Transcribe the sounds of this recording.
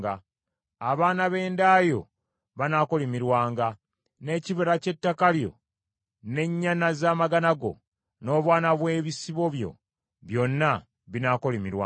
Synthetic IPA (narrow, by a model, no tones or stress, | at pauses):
ɡa | aβaːnaβe̞ːndaːjo̞̰ | βanaːko̞limiɾwaːŋɡa | ne̞ːciβeɾace̞tːakaljo̞̰ | ne̞ɲːanazaːmaɡanaɡo̞̰ | no̞ːβwaːnaβwe̞ːβisiβo̞βjo̞̰ | βjo̞nːa | βinaːkolemiɾwa